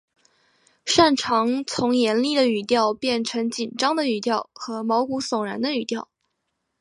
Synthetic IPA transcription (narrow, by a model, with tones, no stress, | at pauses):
ʂa˥˩nʈ͡ʂʰɑ˧˥ŋt͡sʰʊ˧˥ŋjɛ˧˥nli˥˩d̪ə˩y˨˩t̪jɑ˥˧ʊpjɛ˥˩nʈ͡ʂʰɤ˧˥ŋt͡ɕi˨˩nʈ͡ʂɑ˥ŋd̪ə˨y˨˩t̪jɑ˥˩ʊxɤ˧˥mɑ˧˥ʊku˧˥sʊ˨˩ŋɻa˧˥nd̪ə˧y˨˩t̪jɑ˥˩ʊ